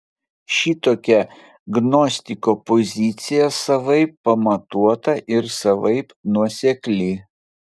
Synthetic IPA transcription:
ʃʲiːt̪oːkʲɛ | ɡnɔsʲt̪ʲɪkopɔzʲɪt̪sʲɪjɛsɐʋɐɪpːɐmɐt̪uɔt̪ɐʔɪɾsɐʋɐɪpnuɔsʲɛklʲɪ

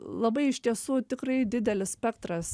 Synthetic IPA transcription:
lˠɐbɐɪɪʃt̪ʲiɛsuːt̪ʲɪkrɐɪd̪ʲɪd̪ʲɛlʲɪssʲpʲɛkt̪ɾɐs

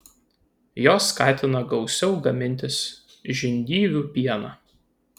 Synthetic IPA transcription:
joːsːkɑːt̪ʲɪnɐɡɒʊsʲɛʊɡɐmʲɪnʲt̪ʲɪs | ʒʲɪnʲd̪ʲiːʋʲuːˑpʲiɛnɑ̰ː

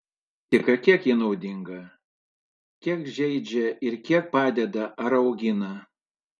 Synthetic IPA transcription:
t̪ʲɪkɐkʲiɛkjinɐʊd̪ʲɪŋɡɐ | kʲiɛkʒʲɛɪd͡ʒʲɛɪɾkʲiɛk̚pɑːd̪ʲɛd̪ɐʔɐɾɒʊɡʲɪnɐ

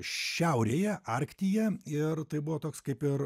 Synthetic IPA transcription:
ʃʲɛʊɾʲeːjɛɐɾʲkt̪ʲijɛɪrt̪ɐɪbʊʋoːt̪oːkskɐɪpɪr

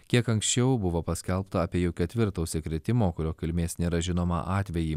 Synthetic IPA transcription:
kʲiɛkɐŋksʲt͡ʃʲɛʊbʊʋoːpɐsʲkʲɛlˠpt̪ɐɐpʲiɛjuːkʲɛt̪ʲʋʲɪɾt̪oʊsʲɛkɾʲɪt̪ʲɪmoːkʊɾʲoːkʲɪlʲmʲeːsnʲeːɾɐʒʲɪnoːmɐ̰ʔɑːt̪ʲʋʲɛjiː

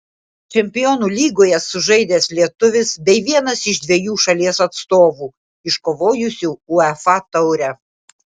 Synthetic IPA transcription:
t͡ʃʲɛmʲpʲɪjonuːlʲiːɡoːjɛsʊʒɐɪd̪ʲeːslʲiɛt̪ʊʋʲɪsbʲɛɪʋʲiɛnɐsɪʒd̪ʲʋʲɛjuːʃɐlʲiɛsɐt̪st̪oːʋuː | ɪʃkoʋoːjʊsʲuʊɛfɑt̪ɐʊɾʲɛ

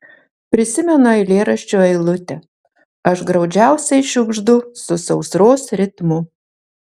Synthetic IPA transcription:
pʲɾʲɪsʲɪmʲɛnʊɐɪlʲeːɾɐʃʲt͡ʃʲoːɛɪlˠʊt̪ʲɛ | ɐʃɡɾɒʊd͡ʒʲæʊsʲɛɪʃʲʊɡʒd̪ʊsʊsɐʊsɾoːsɾʲɪt̪mʊ

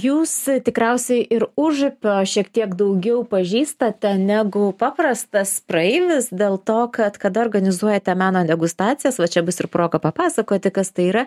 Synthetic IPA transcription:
juːst̪ʲɪkɾʲɛʊsʲɛɪʔɪɾʊʒʊpʲoːʃʲiɛkt̪ʲiɛɡd̪ɐʊɡʲɛʊpɐʒʲiːst̪ɐt̪ʲɛnʲæɡʊpɑːprɐst̪ɐspɾɐɛɪʋʲɪsd̪ʲeːlˠt̪oːkɐt̪kɐd̪ɐɔrɡɐnʲɪzuɔjɛt̪ʲɛmɑːnoːd̪ʲɛɡʊst̪ɑːt̪t͡s̪ʲɪjɛsʋɐt͡ʃʲɛbʊsɪrpɾoːɡɐpɐpɑːsɐkoːt̪ʲɪkɐst̪ɐɪiːɾɐ

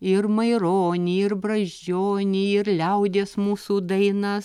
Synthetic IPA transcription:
ɪɾmɐɪɾoːnʲiːɪɾbɾɐʒʲd͡ʒʲoːnʲiːɪɾlʲɛʊd̪ʲeːsmuːsuːd̪ɐɪnɐ

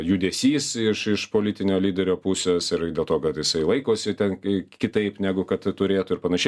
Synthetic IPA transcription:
juːd̪ʲɛsʲiːsɪʃɪʃpoːlʲɪt̪ʲɪnʲoːlʲiːd̪ʲɛɾʲoːpusʲeːsɪɾdʲeːlˠt̪oːkɐt̪jɪsɐɪlˠɐɪkoːsʲɪt̪ʲɛnkʲɪt̪ɐɪpnʲæːɡʊkɐt̪tʊɾʲeːt̪ʊɪɾpɐnɐʃʲɛɪ

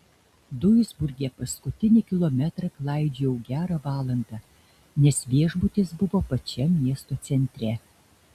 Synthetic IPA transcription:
d̪ʊjʊzbʊɾʲɡʲɛpɐskʊt̪ʲɪnʲɪkʲɪlˠomʲɛt̪ɾɐklˠɑˑɪd͡ʒʲejɛʊɡʲæːɾɑʋɑːlˠɐnd̪ɑ | nʲɛsʋʲiɛʒbʊt̪ʲɪsbʊʋoːpɐt͡ʃʲɛmʲiɛst̪oːt̪sʲɛnʲt̪ʲɾʲɛ

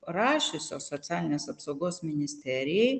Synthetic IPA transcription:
ɾaʃisɔsɔt̪sʰialʲnasapsɔɡɔsminist̪ʰɛɾi

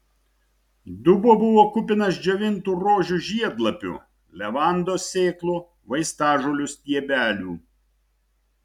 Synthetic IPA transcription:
d̪ʊboːbʊʋoːkʊpʲɪnɐsd͡ʒʲɛʋʲɪnt̪uːɾoːʒʲuʒʲiɛd̪lˠɐpʲʊ̰ | lʲɛʋɑˑnd̪oːsʲeːklˠuː | ʋɐɪst̪ɑːʒulʲʊst̪ʲiɛbʲæːlʲuː

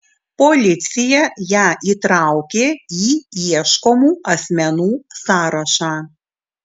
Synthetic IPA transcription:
pɔlʲɪt̪sʲɪjɛjæːʔiːt̪ɾɑˑʊkʲeːiːiɛʃkomuːɐsʲmʲɛnuːsɑːɾɐʃɑː

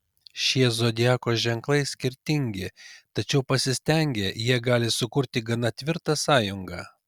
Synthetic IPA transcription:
ʃʲiɛzoːd̪ʲɪjæːkoːʒʲɛŋklˠɐɪsʲkʲɪɾʲt̪ʲɪŋʲɡʲɪt̪ɐt͡ʃʲɛʊpɐsʲɪsʲt̪ʲɛŋʲɡʲejiɛɡɑːlʲɪsʊkʊɾʲt̪ʲɪɡɐnɐt̪ʲʋʲɪɾt̪ɑsɑːjʊŋɡɑ̰ː

